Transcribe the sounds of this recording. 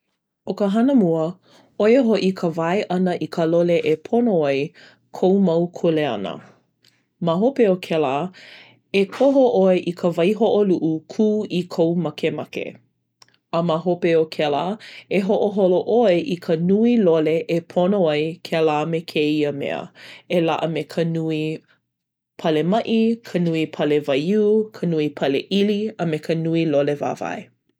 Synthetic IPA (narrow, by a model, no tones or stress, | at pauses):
okəɦɐnəmuə | ojəɦoʔikʰəvajʔɐnəʔikʰəloleʔepʰonoɐj | kʰowmɐwkʰuleɐ̰nə̰ | maɦopeokʰɛla | ekʰoɦoʔoeʔikʰəvɐjɦoʔoluʔukʰuːikʰowmɐkemɐkḛ | əmaɦopeokʰɛlaeɦoʔoɦoloʔoeʔikʰənuiloleʔepʰonoajkʰelamekʰeiəmḛə̰ela̰ʔəmekʰənui | pʰɐlemɐʔikʰənuipʰɐlevɐjukʰənuipʰɐlḛʔiliəmekʰənuiloleva̰ːvɐ̰e